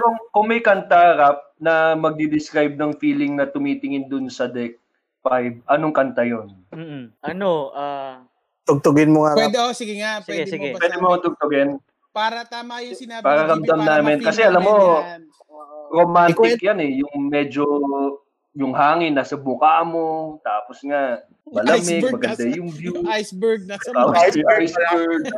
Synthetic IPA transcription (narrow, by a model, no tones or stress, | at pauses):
koŋkʊŋmɐjkɐnt̪ahɐɾap̚nɐmɐɡ̚d̪id̪ɪskɾajb̚nɐŋfiːlɪŋnɐt̪ʊmit̪ɪŋɪnd̪ʊnsɐd̪ɛk̚ | fajb̚ʔɐnoŋkɐnt̪ɐjon | m̩ːʔɐnoʔa | t̪ʊɡ̚t̪ʊɡɪnmoŋapwɛd̪sɪɡɛŋasɡpwɛːd̪ɪmoŋat̪ʊɡ̚t̪ʊɡɛn | paːɾɐt̪amajɪpɐɾɐɾɐmd̪ɐmnaːmɪnkɐsɛʔɐlɐmːo̞ | ɾomant̪ɪkjanɛjʊŋmɛd͡ʒo | jʊŋɦaːŋɪnːaːsɐbʊkamo̞t̪aːposŋa | mɐlɐmɪɡ̚mɐɡɐnd̪ajʊŋbjujsbɛɡ̚aːmʔajsbɛɹɡ̪